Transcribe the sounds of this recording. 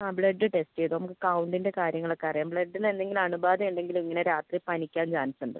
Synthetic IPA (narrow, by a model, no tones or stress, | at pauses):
abɭɐɖːɨʈe̞steðunɐmukːɨkɐwɳɖinde̞kaːɾjɐŋːɐɭo̞kːeɐrijaːmbɭɐɖːine̞nd̪e̞ŋɡilmɐɳubaːðɐuɳɖe̞ŋɡilumiŋːɐne̞ɾaːt̪ripɐnikʲːaːmd͡ʑaːnɐsuɳɖɐ̰